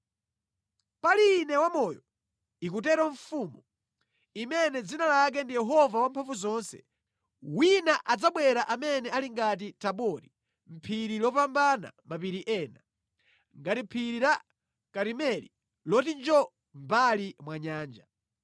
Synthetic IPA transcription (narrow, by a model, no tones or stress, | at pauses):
palinɛwamɔjɔ | ikutɛɾɔɱfumu | imɛnɛd͡zinalak̬ɛndijɛɦɔvawampʰaɱfuzɔnsɛ̥̰ | winaʔad͡zaɓwɛɾaʔamɛnɛaliŋɡat̬itaɓɔɾi | m̩pʰiɾilɔpambana̰mapiɾiʔɛːna | ŋɡatim̩pʰiɾiɾa | kaɾimɛli | lɔtind͡ʒɔ | mbalimwaɲaːnd͡ʒa